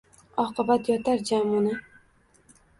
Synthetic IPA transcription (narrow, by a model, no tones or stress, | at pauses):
ɒqɨbat̪jɒt̪ʰaɾd͡ʒamʊna